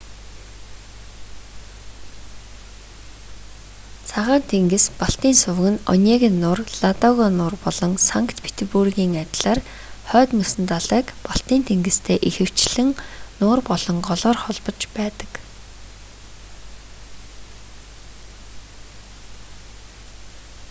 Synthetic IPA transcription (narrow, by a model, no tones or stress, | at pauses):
t͡sʰaʁaːnt̪ʰeŋɡɘ̆spɔɬt̪iːnsʊw̆ɣɘ̆nɔ̰nʲaːɣʲĭnːʊːrɮ̥at̪ɔɣɔːnʊːrpɔɮɞ̆ŋsaŋkt̪pʰe̥t̪ʰepurɣiːŋat̪ʲɮaːr | χœːt̪mɵsɘ̆nt̪aɮæːkpɔɬt̪iːnt̪ʰeŋɡɘ̆st̪ʰeːʔixɘ̆w̥t͡ɕɮ̥ɘ̆ŋnʊːrpɔɮɞ̆ŋɢɔɮɔːrχɔɮpɞ̆t͡ɕpæːt̪ə̥̆k